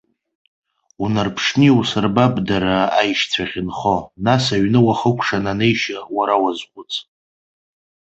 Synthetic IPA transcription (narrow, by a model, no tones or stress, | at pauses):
unarpʰʂniusarbabdaɾaːjʃt͡sʷʰaʁʲɪnχonasaɥnɨwaχəkʷʼʰʂanane̞jʃawaɾawazqʷʼʊt͡sʰʼ